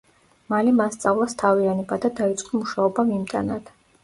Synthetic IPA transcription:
malɛmast̪sʼavlˠast̪ʰavianɛbad̪ad̪ait̪sʼqʼɔmuʃaɔbamimt̪ʼa̰nad̪̥

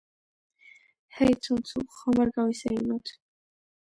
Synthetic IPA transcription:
hɛjt̪sʰunt̪sʰṵχɔmaɾɡawisɛ̰imɔt̪ʰ

